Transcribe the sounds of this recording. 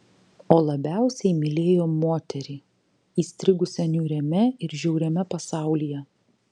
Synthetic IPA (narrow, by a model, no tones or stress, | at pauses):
oːlˠɐbʲæˑʊsʲɛɪmʲɪlʲeːjoːmoːt̪ʲɛɾʲiː | iːsʲt̪ʲɾʲɪɡʊsʲɛnʲuːɾʲɛmʲɛɪɾʒʲɛʊɾʲɛmʲɛpɐsɑˑʊlʲijɛ